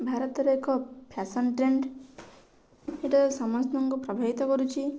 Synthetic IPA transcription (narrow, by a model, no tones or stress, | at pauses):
bʱaɾɔt̪ɔɾekɔpʰjasɔnʈɾeɳɖ | eʈaɾɔsɔmɔst̪ɔŋkupɾɔbʱaɦit̪ɔkɔɾut͡ʃʰi